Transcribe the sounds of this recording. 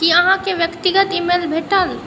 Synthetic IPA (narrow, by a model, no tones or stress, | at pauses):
kiɐɦãkeʋjəkt̪iɡət̪imelbʱeʈəl